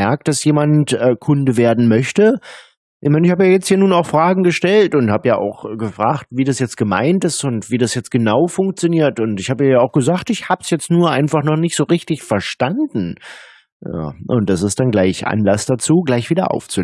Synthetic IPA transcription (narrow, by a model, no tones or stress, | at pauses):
ɛɐk̚t̚d̥asjeːmantʔɛkʰʊndəveːɐdn̩mœçtə | ʔɪçmaɪnɪçhaːbəjaːjɛt͡sthiːɐnuːnaʊxfʁ̥aːɡŋ̩ɡəʃtɛltʊnthaːbəjaːʔa̰ʊxɡ̥əfʁ̥a̰ːxtviːdasjɛt͡stɡ̥əma̰ɪntɪstʊntviːdasjɛt͡sɡ̥ənaʊfʊŋk̚t͡sjoniːɐtʊntɪçhaːbəiːɐjaːaʊxɡ̥əzaːxtɪçhaːbəsjɛt͡stnuːɐʔaɪnfaχnɔχnɪçtz̥oːʁɪçtɪçfɛɐʃtandn̩ | a̰ːʔʊ̰ntd̥asɪstd̥anɡlaɪçʔa̰nlasd̥at͡suːɡlaɪçv̥iːdɐ̰ʔa̰ʊft͡su